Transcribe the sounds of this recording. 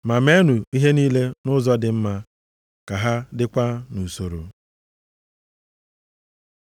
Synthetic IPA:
ma˨me˦nu˨i˦ɦe˦niː˦le˦nʊ˦zɔ˦dɪ˨m̩˦ma˦ | ka˨ɦa˦dɪ˦kʷa˦nu˨so˨ɾo˨

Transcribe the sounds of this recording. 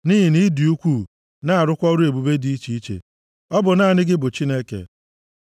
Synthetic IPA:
ni˦ɦi˨ni˦di˨u˦kʷu˦˨ | na˦a˨ɾʊ˦kʷɔ˦ɾu˦e˨bu˨be˦di˦i˦t͡ʃi˦i˦t͡ʃḛ˨ | ɔ˦bʊ˨na˦˨nɪ˦ɡɪ˦bʊ˨t͡ʃi˦ne˦kḛ˨

